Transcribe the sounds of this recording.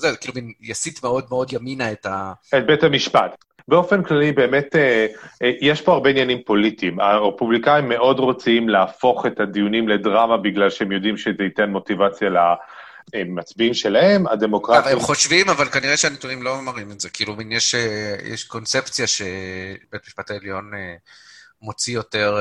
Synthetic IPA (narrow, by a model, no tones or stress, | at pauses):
zekiːluminjasitmeo̞dmeo̞djaminaetaet̚betamiʃpat | beo̞fenklalibe̞ːmete | jɛʃpo̞aʁbeinjanimpo̞litimaʁepublikaimːe̞ʔo̞dʁo̞t͡siimleafo̞χe̞tad̪ijunimledʁamabiɡlalʃehemjo̞dimʃezeitenmo̞tivat͡sjala | emat͡sbiimʃe̞lahe̞ma̰de̞mo̞kʁaavemχoʃvimavalkaniʁeʃeanet̪unimloamaʁimetzekiiːluminjeʃejḛʃko̞nt͡sept͡sjaʃebetamiʃpataeljo̞ne | mot͡sijo̞teʁ